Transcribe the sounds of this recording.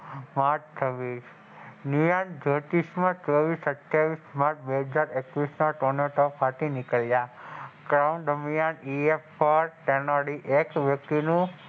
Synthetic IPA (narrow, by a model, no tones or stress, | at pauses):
maʈt͡ʃʰəʋis | njujand͡ʒəʈ̪ismãt͡ʃəʋisəʈjaʋismaʈbeɦəd͡ʒaɾekʋisnaʈɔneʈɔpʰat̪inikəljakɾaund̪əmjaniefpəɾʈenaɽiʔekʋjək̚t̪inũ